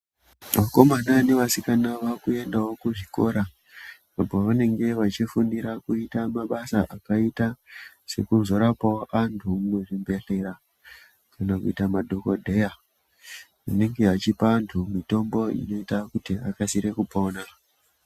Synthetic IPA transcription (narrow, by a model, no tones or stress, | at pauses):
ʋako̞mananeʋasikanaʋakue̞ndawo̞kuʐiko̞̰ɾa | apoʋane̞ŋɡe̞ʋat͡ʃifundiɾakuitamaɓasaʔakaita | se̞kunzo̞ɾapaoʔantʰumeʐimbe̞ɬe̞ɾa | kanakuitamadʱo̞ko̞dʱe̞ja | ane̞ŋɡe̞at͡ʃipaːntʰumito̞mbo̞ḭno̞itakutiakasiɾe̞kupo̞na